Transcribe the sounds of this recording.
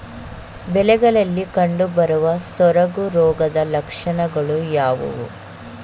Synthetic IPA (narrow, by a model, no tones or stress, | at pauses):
bɛlɛɡɐɭɐlːikɐɳɖubɐɾuʋɐsɔɾɐɡuɾɔːɡɐd̪ɐlɐkʂɐɳɐɡɐɭujaːʋṵʋṵ